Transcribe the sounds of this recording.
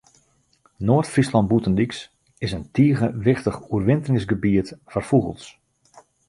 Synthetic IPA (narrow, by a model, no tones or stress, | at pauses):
noːtfrislɑnt̚butəndiks | ɪsəntʰiəɣəʋɪxtəχuərʋɪntəlɪŋsɡəbiətfɔrfuɣə̰lˠs